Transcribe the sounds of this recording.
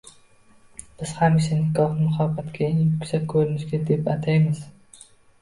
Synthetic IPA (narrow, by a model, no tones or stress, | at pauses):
b̥ɪz̥hamɪʃanɪkɒhnmʊχɒfat̪kʲʰaɪŋjʊkʲsap̚kʰɵɾɪnɪʃɡʲad̪e̞pat̪ʰajmɪz